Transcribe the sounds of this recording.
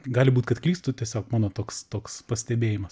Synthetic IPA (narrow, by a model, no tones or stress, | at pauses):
ɡɑːlʲɪbuːt̪ʲkɐt̪klʲiːst̪ʊt̪ʲiɛsʲoːkmɑːnoːt̪oːkst̪oːkspɐsʲt̪ʲɛbʲeːjɪmɐs